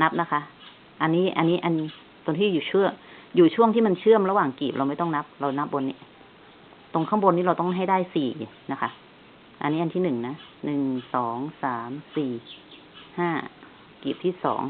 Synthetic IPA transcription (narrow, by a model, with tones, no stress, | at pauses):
na˦˥p̚na˦˥kʰa˦˥ʔ | ʔa˧nːiː˦˥ʔa˧nːiː˦˥ʔa˧n | t̪o˧nt̪ʰiː˥˩˨juː˨˩t͡ɕʰɯ˥˩əjuː˨˩t͡ɕʰu˥˩əŋt̪ʰiː˥˩ma˧nt͡ɕʰɯ˥˩əmɾa˧waː˨˩ŋkiː˨˩p̚ɾa˧wma˥˩jt̪ɔ˥˩ŋna˦˥p̚ɾa˧wna˦˥p̚bo˧nːi˦˥ | t̪o˧ŋkʰa˥˩˨mbo˧niː˦˥ɾa˧wt̪ɔ˥˩ŋɦa˥˩jdaː˥˩jsiː˨˩i˨˩na˦˥kʰa˦˥ʔ | ʔa˧nːiː˦˥ʔa˧nt̪ʰiː˥˩nɯ˨˩ŋna˦˥nɯ˨˩ŋsɔː˩˦ŋsaː˩˦msiː˨˩ | haː˥˩ | kiː˨˩p̚t̪ʰiː˥˩sɔ̰ː˩˦ŋ